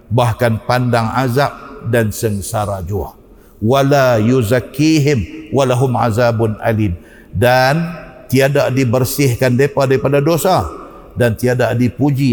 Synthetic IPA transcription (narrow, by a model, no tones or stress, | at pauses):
bahkanpandaŋazap̚dansəŋsaɾad͡ʒua̰h | walajuzakːiɦɪmwalaɦʊmʕa̰zabʊnʔa̰lim | dant̪iadaʔdibərsɪhkandepadaɾipadadosa | dant̪iadaʔdipud͡ʒi